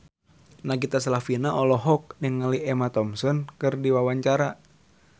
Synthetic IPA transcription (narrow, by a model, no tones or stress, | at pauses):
naɡit̪asalafinaʔɔlɔɦɔk̚nəŋːəliʔɛmat̪ɔmsɔnkɨrdiwawaɲt͡ʃaɾa